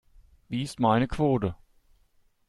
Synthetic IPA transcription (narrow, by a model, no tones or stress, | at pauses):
viːɪstmaɪnəkʰv̥oːtə